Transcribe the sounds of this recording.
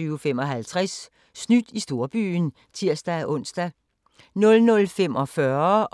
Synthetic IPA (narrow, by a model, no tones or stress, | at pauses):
yːʊfem̰ɒ̽ɦælt͡sʰʁasː | nyd̥isd̥o̝ɐb̥y̰ːn | t͡sʰiɐ̰sd̥æʔɔ̽n̰sd̥æ | nɔ̽lnɔ̽lfemʔɒ̽fɶɐ